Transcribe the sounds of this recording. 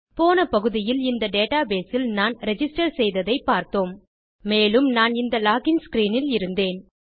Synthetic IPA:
poːnɐpɐɣɯðɪjɪlɪnd̪ɐɖeːʈaːbeːsɪlnaːnɾɛd͡ʒɪsʈɐɾsɛjðɐðɐɪpːaːɾt̪oːm | meːlɯmnaːnɪnd̪ɐlaːɣɪnskɾiːnɪlɪɾɯnd̪eːn

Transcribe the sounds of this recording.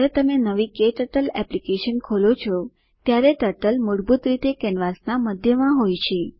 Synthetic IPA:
ɾet̪əmenəʋikeʈəʈəlɛplikeʃənkʰolot͡ʃʰɔ | t̪jaɾeʈəʈəlmuɽbut̪ɾit̪ekɛnʋasnaməd̪ʱjəmãɦojt͡ʃʰe

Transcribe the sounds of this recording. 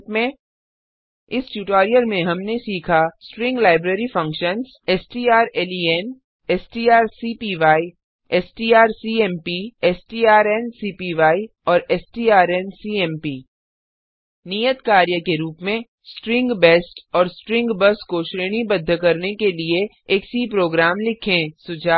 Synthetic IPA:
pmẽ | ɪsʈjuːʈaːɾijəlmẽɦɐmnesiːkʰasʈɾɪ̃ŋɡlaːɪbɾeːɾifɐ̃ŋkʃənz | ɛsʈiːaːɾeːliɛːn | ɛsʈiːaːɾsiːpiʋaːi | ɛsʈiːaːɾsiːɛːmpiɛːsʈiːaːɾɛnsiːpiʋaːi | ɔːɾɛːsʈiːaːɾɛnsiːɛːmpiː | nijət̪kaːɾjəkeɾuːpmẽ | sʈɾɪ̃ŋɡbɛːsʈɔːɾsʈɾɪ̃ŋɡbɐskoʃɾeːɽ̃ibɐd̪ʱːkɐɾnekelie | eːksipɾoːɡɾaːmlɪkʰẽsʊd͡ʒʱaː

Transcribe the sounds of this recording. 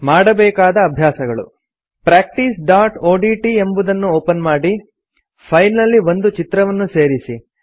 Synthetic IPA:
maːɽɐbɛːkaːd̪ɐːbʱjaːsɐɡɐɭṵ | pɾaːk̚ʈiːsɖaːʈoːɖiːʈie̞mbud̪ɐnːuoːpɐnmaːɽi | pʰɐjnːɐlːiʋo̞nd̪ut͡ʃit̪ɾɐʋɐnːuse̞ːɾisi

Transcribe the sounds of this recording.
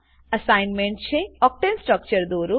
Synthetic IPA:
əsajnmẽɳʈ̚t͡ʃʰeɔk̚ʈensʈɾək̚t͡ʃəɾd̪oːɾu

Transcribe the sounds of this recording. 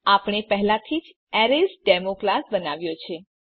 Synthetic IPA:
apɳ̃epəɦlãt̪ʰid͡ʒ | ɛɾesɖɛmoklasbənaʋjot͡ʃʰe

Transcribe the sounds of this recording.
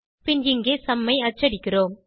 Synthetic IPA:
pɪnd͡ʒɪŋɡeːsɐmːɐɪɐt͡ʃːɐɽɪkːɪɾoːm

